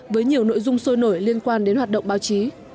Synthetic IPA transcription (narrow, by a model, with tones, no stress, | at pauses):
vəː˨˦jɲi˨˩əwno̰˧˨jzʊ˧ŋ͡mso˧jno˧˩jli˧ənkwaː˧nɗe˨˦nhwaː˨˩t̚ɗə̰˧˨ŋ͡mɓaː˨˦wt͡ɕi˨˦